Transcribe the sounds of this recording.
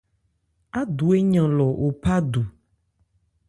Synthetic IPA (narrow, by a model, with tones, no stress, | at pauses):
a˦d̪u˨e˦ɲã˨lɔ˨ʔo˨pa˦du˨